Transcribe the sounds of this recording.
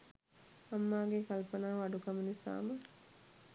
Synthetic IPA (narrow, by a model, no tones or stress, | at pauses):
amːaːɡekalpənaːʋaɖukamunisa̰ːmə